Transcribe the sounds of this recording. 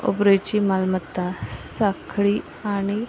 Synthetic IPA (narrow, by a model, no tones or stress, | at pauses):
o̰bɾəjt͡ɕimalmət̪ːasakʰɭiː | aɽ̃i